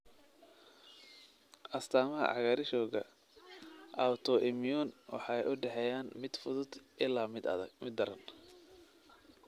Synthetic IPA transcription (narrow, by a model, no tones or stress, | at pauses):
ʔɐst̪ʰaːmɐɦɐ̰ʕɑ̰ɣaɾɪʃɔːɣɐ̰ | ʔawt̪ʰɔʔɪmjunwɑ̰ħɑːjʔʊɖɛħɛjaːnmɪd̪fʊðʊd̪ʔɪlaːmmɪd̪ːɐɾɐn